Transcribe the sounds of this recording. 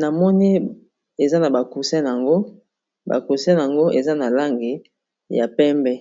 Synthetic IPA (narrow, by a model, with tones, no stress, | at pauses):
na˨mɔ˦ni˦ | e˨za˦na˨ba˨ku˨sɛ˦n˨a˨ŋɡo˦ | ba̰˨ku˨sɛ˦˨a˨ŋɡo˦ʔe˨za˦na˨la˦ŋɡi˨ | ja˨pɛ˦mbɛ˦